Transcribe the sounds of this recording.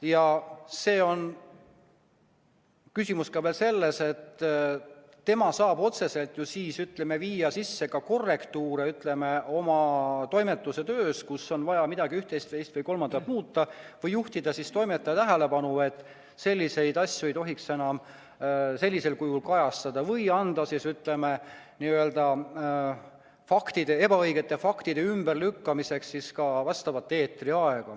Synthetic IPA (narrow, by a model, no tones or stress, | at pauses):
jɑse̞ːo̞n | kysʲimuskɑveːlse̞lːe̞se̞t̪ː | e̞mɑsɑːbo̞t̪se̞se̞lt̪jusiːsyt̪leme̞viːjɑsisːe̞kɑko̞rːe̞kt̪uːɾeyt̪le̞meo̞mɑt̪o̞jme̞t̪ːˑuse̞t̪ø̞ːskusːo̞nvɑjɑmid̪̥ɑɡiyht̪e̞jst̪ejst̪vɤjko̞lmɑnd̪ɑt̪muːt̪ːˑɑvɤjːuht̪id̪ɑsist̪o̞jme̞t̪ˑːɑɑt̪æɦele̞pɑnue̞t̪ːˑ | se̞lʲːise̞jd̪ɑsʲjue̞jt̪o̞ɦikse̞nɑm | se̞lʲːise̞lkujulkɑjɑst̪ɑd̪̥ɑvɤjɑnd̪̥ɑsisyt̪le̞meniːø̞ld̪̥ɑ | fɑkt̪id̪̥e̞e̞bɑɤjɡe̞t̪ːˑe̞fɑkt̪id̪eymberlykːɑmise̞kssiskɑvɑst̪ɑvɑt̪ːe̞ːt̪ːˑriɑe̞ɡ̥ɑ